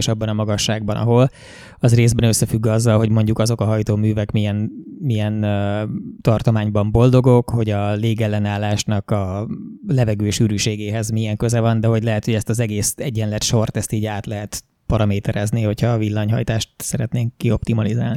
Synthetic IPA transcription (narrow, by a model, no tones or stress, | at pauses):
ʃɒbːɒnɒmɒɡɒʃːaːɡ̚bɒnɒ̰ɦo̞l | ɒzreːzbɛnøsːɛfyɡːɒzːɒlɦo̞ɟmo̞ɲɟukɒzo̞kɒɦɒjt̪oːmyːvɛkmijɛnmijɛnøt̪ɒrt̪o̞maːɲbɒmbo̞ld̪o̞ɡo̞kho̞ɟɒleːɡɛlːɛnaːlːaːʃnɒkɒlɛvɛɡøːʃyːɾyʃeːɡeːɦɛzmijɛŋkø̞zɛvɒnd̪ɛɦo̞ɟlɛɦɛt̪ho̞ɟɛst̪ɒzɛɡeːsɛɟːɛnlɛt̪ʃo̞rt̪ɛst̪iːɟaːt̪lɛɦɛt̪ | pɒɾɒmeːt̪ɛɾɛzniho̞chɒːvilːɒɲɦɒ̰jt̪aːʃt̪sɛɾɛt̪neːŋkːio̞p̚t̪imɒlizaːlni